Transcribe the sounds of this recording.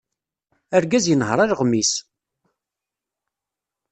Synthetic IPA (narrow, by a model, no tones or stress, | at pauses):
æɾɡæzjənɦɾˤaɾʁmːis